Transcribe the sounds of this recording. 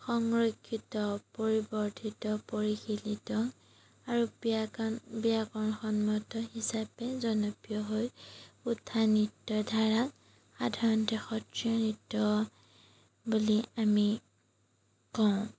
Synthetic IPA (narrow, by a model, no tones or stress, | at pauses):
xɔŋɹokʰːitɔpoɹibɔɹtʰitɔpoɹixilitɔ | aɹu | bijakɔnxɔnmɔtɔhisapɛzɔnɔpijɔɦojutʰːanitːɔdʱaɹak | xadʱaɹɔntɛxɔtɹijɔnitːɔ | buliami | kɔʊ̃